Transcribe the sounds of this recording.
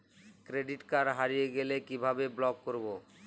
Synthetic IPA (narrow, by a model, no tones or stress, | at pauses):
kɾeɖiʈkaɾɦaɾijeɡelekibʱabeblɔɡkoɾbo